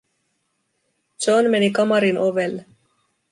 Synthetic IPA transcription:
d͡ʒonmenikɑmɑɾinʔoʋelːe

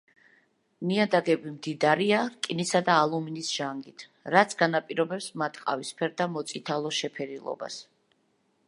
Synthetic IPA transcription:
niad̪aɡɛbimd̪id̪aɾiaɾkʼinisad̪aːlˠuminisʒ̥aŋɡit̪ʰ | ɾat̪sʰɡanapʼiɾɔbɛpsmat̪ʰqʼa̰vispʰɛɾd̪amɔt̪sʼit̪ʰalˠɔʃɛpʰɛɾilˠɔ̰ba̰s

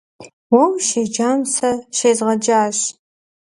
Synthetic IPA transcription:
wɔwʃed͡ʒaːmsɐʃejzʁɐd͡ʒaːɕ

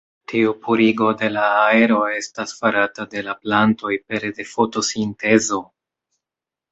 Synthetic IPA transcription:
tiupuɾiɡo̞de̞laːe̞ɾo̞e̞stasfaɾatade̞laplanto̞jpe̞ɾde̞fo̞to̞sinte̞zo̞

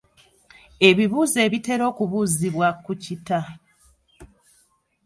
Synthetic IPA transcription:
e̞βiβuːze̞ːβite̞ɾo̞ːkuβuːziβwakucita

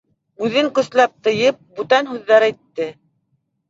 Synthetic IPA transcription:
ʉðɘŋkɵ̆slæp̚t̪ɤ̆jɤp̚bʉt̪ænɦʉðːæɾæjt̪ːɘ

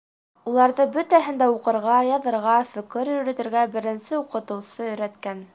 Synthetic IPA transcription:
ulˠɑɾðɤbɵt̪æɦɘ̆nd̪æuqɤ̆ɾʁɑjɑðɤ̆ɾʁɑfɵ̆kɘɾjɵ̆ɾæ̆t̪ɘ̆ɾɡæbɘ̆ɾɘ̆nsɘuqɤ̆t̪ɤ̆wsɤɵ̆jɾæt̪kæn

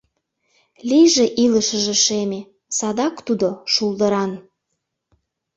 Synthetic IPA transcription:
lʲijʒeʔiləʃəʒĕʃeme | sɑd̪ɑkt̪ud̪oʃuld̪əɾɑn

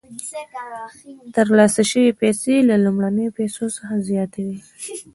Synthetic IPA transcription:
t̪əɾlɑsaʃəwepɛselalumɽanəjopɛsosəxazjɑt̪awi

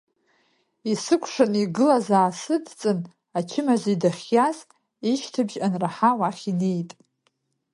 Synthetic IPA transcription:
isɨkʷʰʂɨniɡɨlazaːsɨdt͡sʼɨn | at͡ʃʰɪmazidaχʲjaz | iʃtʰɨbʒanraħawaχʲine̞jtʼ

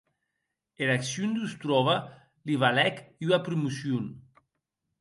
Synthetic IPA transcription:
elaksjund̪ust̪ɾɔβa | liβalɛkuapɾumusjun

